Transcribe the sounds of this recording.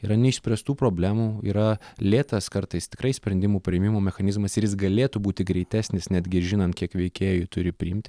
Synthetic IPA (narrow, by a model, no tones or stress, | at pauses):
iːɾɐnʲɛɪʃsʲpʲɾʲɛst̪uːpɾoːbʲlʲæːmuːḭɾɐlʲeːt̪ɐskɐɾt̪ɐɪst̪ʲɪ̥kɾɐɪsʲpʲɾʲɛnd̪ʲɪmuːpʲɾʲɪɛmʲɪmoːmʲɛxɐnʲɪzmɐsɪɾjɪsɡɐlʲeːt̪ʊbuːt̪ʲɪɡɾʲɛɪt̪ʲæːsʲnʲɪsnʲæd̪ʲɡʲɪʒʲɪnɐnt̪̚kʲiɛkʋʲɛɪkʲeːjut̪ʊɾʲɪpʲɾʲɪɪmʲt̪ʲɪ